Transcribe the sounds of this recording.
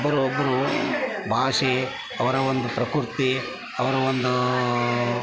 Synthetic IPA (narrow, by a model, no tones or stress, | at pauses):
bːɐɾuɔbːɐɾubʱaːʂi | ɐʋɐɾɐond̪upɾɐkuɾt̪i | ɐʋɐɾɐond̪u